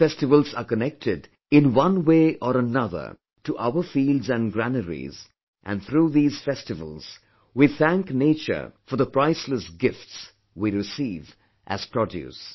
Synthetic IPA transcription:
fɛstɨvəlˠzakənɛk̚tʰɪd | ɪ̃nwʌ̃nweːʔɔɾənʌðə̰˞ | tuʔaʊəfildzæ̃nɡɾænəɹḭz | ʔæ̰̃nθɾuːðiːz̥fɛstɨvə̰l̩ˠz̥ | wiθæ̃ŋknet͡ʃə̰˞fɔɾðəpɾ̥aɪsləsɡɪfts | wiɹɨsiːv | ʔæ̰z̥pʰɹɔdjʉ̰s

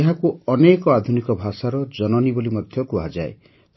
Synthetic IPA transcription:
ɦakuɔnekɔad̪ʱunikɔbʱasaɾɔd͡ʒɔnɔnibolimɔd̪ʱjɔkuad͡ʒae

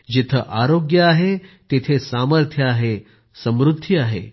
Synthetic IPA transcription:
d͡ʑit̪ʰəʔaɾoɡjəaɦet̪et̪ʰesaməɾt̪ʰjəaɦe | səmɾud̪ʱiaɦḛ

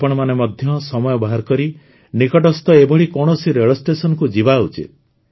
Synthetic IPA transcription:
pɔɽ̃ɔmanemɔd̪ʱjɔsɔmɔjɔbɔɦaɾkɔɾi | nikɔʈɔst̪ɔebɔɽikɔɽ̃ɔsiɾeɭɔsʈesɔnɔkud͡ʒibaut͡ʃḭt̪̚

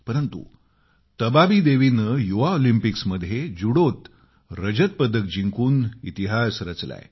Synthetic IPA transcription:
pəɾənt̪ṵ | t̪əbabid̪eʋinəjuʋaolimpiksməd̪ʱjed͡zuɽot̪ | ɾəd͡ʑət̪̚pəd̪ək̚d͡ʑiŋkuːnḭt̪iɦasɾət͡sla̰j

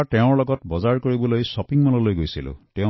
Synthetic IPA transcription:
ʈeʊ̃lɔɡɔtbɔzaɹkɔɹibɔlojsɔpiŋmɔlɔlojɡojsilṵtẽ

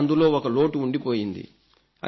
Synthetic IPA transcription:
nd̪ulo̞ːɔkɐloːʈuːɳɖipoːjind̪ḭ | ɐ̰

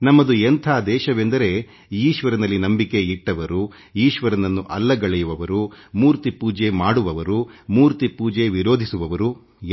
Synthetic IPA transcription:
nɐmːɐd̪uent̪ʰaːd̪ɛːʃɐʋe̞nd̪ɐɾe̞ | iːʃʋɐɾɐnɐlːinɐmbike̞iʈːɐʋɐɾu | iːʃʋɐɾɐnɐnːuʔɐlːɐɡɐɭɛjuʋɐʋɐɾu | muːɾt̪ipuːd͡ʒemaːɽuʋɐʋɐɾumuːɾt̪ipuːd͡ʒe̞ʋiɾo̞ːd̪ʱisuʋɐʋɐɾu

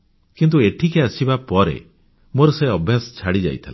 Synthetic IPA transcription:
kint̪̬ueʈʰikeasibapɔɾḛ | moɾɔseɔbʱjasɔ̥t͡ʃʰaɽid͡ʒa̰jt̪ʰile

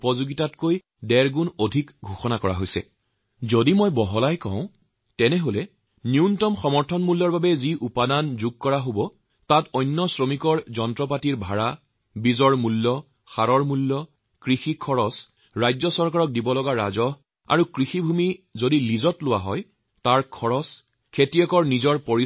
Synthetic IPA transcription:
pɔzuɡitatkoj | dɛɹɡunodʱikɡʱoxɔnakɔɹa̰ɦojsɛ̰ | zodimɔjbɔɦɔlajkɔ̰̃ʊ̃ | tɛnɛɦolɛ | njiuntɔmxɔmɔɹtʰɔnmulːɔɹbabɛziʔupadanzuɡ̚kɔɹaɦobɔ | tatɔjnːɔsɹomikɔɹzɔntɹɔp̬atiɹbʱaɹa | bizɔɹmulːɔ | xaɹɔɹmulːɔ | kɹixikʰɔɹɔs | ɹajzɔsɔɹkaɹɔk̚dibɔlɔɡaɹa̰zɔɦ | a̰ɹukɹixibʱumizodilizɔtlʊwaɦɔj | taɹkʰɔɹɔs | kʰetiɛkɔɹnizɔɹpoɹi

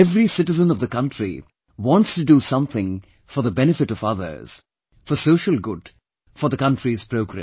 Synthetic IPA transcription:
ɛvɾisɪʈɨzə̃nʌvðəkʌ̃ntɹḭ | wɔ̃ntstɨdusʌ̃mθɪ̃ŋ | fɔ˞ðəbɛnɨfɨɾʌɔvʌðə̰˞z̥ | fə˞soʊʃəlˠɡʊd | fɔ˞ðəkʌ̃ntɹiz̥pɾoʊɡɾɛ̰̃

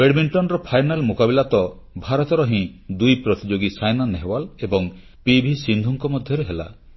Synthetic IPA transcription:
beɽmiɳʈɔnɾɔpʰajnalmokabilat̪ɔ | bʱaɾɔt̪ɔɾɔɦĩ | d̪ujpɾɔt̪id͡ʒoɡisajnaneɦwalebɔŋ | pibʱisind̪ʱuŋkɔmɔd̪ʱjɔɾeɦela̰

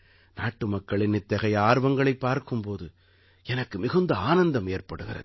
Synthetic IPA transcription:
naːʈːɯmɐkːɐɭɪnnɪt̪ːɐɣɐɪaːɾʋɐŋɡɐɭɐɪpːaːɾkɯmpoːðɯ | ɛnɐkːɯmɪɣɯnd̪ɐaːnɐnd̪ɐmeːrpɐɽɯɣɪ̰rɐ̰ð

